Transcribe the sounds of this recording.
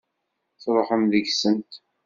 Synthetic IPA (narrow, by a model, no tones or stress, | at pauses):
θɾˤħəmðəʝsəmt̪